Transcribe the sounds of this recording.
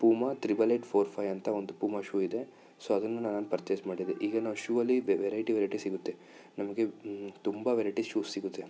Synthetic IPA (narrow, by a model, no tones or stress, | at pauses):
puːmɐt̪ɾibɐleʈpʰoːɾpʰɐjɐnt̪ɐond̪upuːmaʃuːid̪e̞ | soːɐd̪ɐnːunaːnɐnupɐɾt͡ʃesmaːɽid̪eʔiːɡɐnaːʋuʃuːɐlːiʋʋeɾɐjʈiʋeɾɐjʈisiɡut̪ːe | nɐmɐɡe̞t̪umbɐʋeːɾɐjʈisʃuːsːiɡut̪ːe